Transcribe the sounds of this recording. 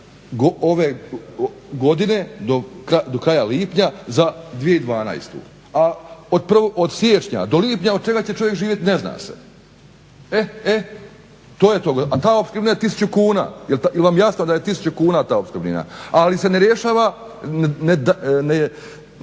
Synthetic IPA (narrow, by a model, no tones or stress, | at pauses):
ɡooʋe | ɡo̞d̪ine̞d̪okɾad̪o̞kɾaːjaliːpɲazad̪ʋije̞id̪ʋaːna̰jst̪ṵ | aod̪̚pr̩ʋoʔod̪sjeːt͡ʃɲa̰d̪o̞liːpɲaod̪̚t͡ʃe̞ɡat͡ɕet͡ʃo̞ʋjekʒiːʋjet̪inezna̰ːsḛ | ee | t̪oːjet̪oɡʔat̪aːo̞pskɾminajet̪is̬ut͡ɕukuːna̰ːjilt̪ailʋamjasnod̪ajet̪isu̥t͡ɕukuːnaːt̪aːopskɾbnḭna̰aliseneɾjeʃaːʋa | ned̪ne